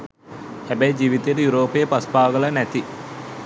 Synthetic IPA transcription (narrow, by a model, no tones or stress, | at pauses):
hæbæjid͡ʒiːʋit̪eɾəjuɾoːpejəpaspaːɡəlɐnæt̪i